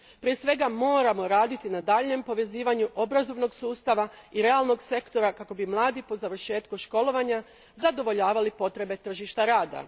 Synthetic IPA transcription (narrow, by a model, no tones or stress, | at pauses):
pɾijesʋe̞ɡamo̞ːɾamo̞ɾaːd̪it̪inad̪aːʎɲe̞mpo̞ʋe̞ziːʋaɲuʔo̞bɾazo̞ʋno̞ɡsuːst̪aʋaiɾe̞alˠno̞ɡse̞kt̪o̞ɾakako̞bimlˠaːd̪ipo̞zaʋr̩ʃe̞ːt̪kuʃko̞lo̞ʋaɲa | zad̪o̞ʋo̞ʎaːʋalipo̞t̪ɾe̞be̞t̪r̩ʒiʃt̪aɾaːd̪a̰